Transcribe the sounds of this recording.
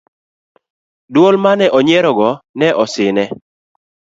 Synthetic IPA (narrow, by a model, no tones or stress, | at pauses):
dwolmanɛʔɔɲɛɾɔɡɔnɛʔɔsɪnɛ